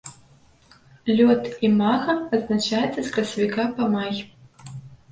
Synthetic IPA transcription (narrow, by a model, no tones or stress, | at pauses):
lʲɔt̪imaɣɐːznat͡ʂajɛt̪sɐsʲkɾɐsʲɐvʲikapɐmajʲ